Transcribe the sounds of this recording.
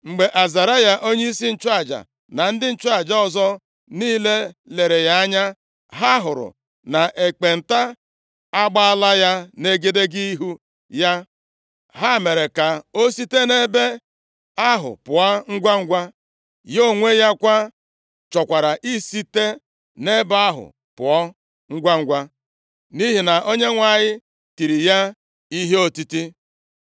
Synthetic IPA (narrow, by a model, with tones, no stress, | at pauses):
ŋ͡m̩˨ɡ͡be˨ʔa˨za˨ɾa˦ja˨ʔo˦ɲe˦i˦si˦n̩˦t͡ʃa˦˨d͡ʒa̰˨ | na˨n̩˦dɪ˦n̩˦t͡ʃd͡ʒa˦ɔ˨zɔ˦ | niː˦le˦le˨ɾe˨ja˦a˦ɲa˦ | ɦa˦ɦʊ˨ɾʊ̰˨ | na˨ʔe˨k͡pe˨n̩˨ta˦ | a˦ɡ͡ba˦a˦la˦ja˦ne˦ɡe˦de˦ɡi˦ɦu˦ | ja˦ | ɦa˦˨me˨ɾe˨ka˨o˦si˦te˦ne˦be˦ | a˦ɦʊ̰˨pʊ˨a˦ŋ̩˦ɡʷa˦ŋ̩˦ɡʷa˦ | jo˦˨ŋʷe˦ja˦kʷa˦ | t͡ʃɔ˨kʷa˨ɾa˨ʔi˦si˦te˦ | ne˦ba˦ɦʊ̰˨ | pʊ̰˨ɔ˦ | ŋ̩˦ɡʷa˦ŋ̩˦ɡʷa˦ | ni˦ɦi˨na˨ʔo˦ɲe˦ŋʷa˨ɲɪ˦ | ti˨ɾi˨ja˦ | i˦ɦe˦o˨ti˦ti˦